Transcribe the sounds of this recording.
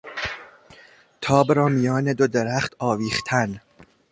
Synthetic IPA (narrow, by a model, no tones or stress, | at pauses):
t̪ʰɒːbɾɒːmijɒːned̪od̪eɾæχt̪ɒːviːχt̪ʰæn